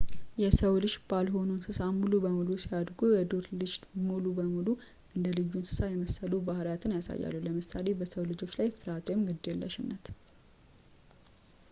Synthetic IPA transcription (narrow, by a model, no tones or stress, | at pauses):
jɛsəwlɨʃbalɦo̞nunsɨsamulubəmulusijad̪ɡojɛd̪oɾlɨd͡ʒt̪mulubəmulu | ʔɨnd̪əlɨjːunsɨ̥sajɛməsːəlubahɾajat̪ʰɨnjasa̰jːa̰lːuwləmɨsale̞bəsəwlɨd͡ʒo̞t͡ʃːlajfɨɾat̪ʰojmɡɨd̪ːjɛlːəʃɪnːət̪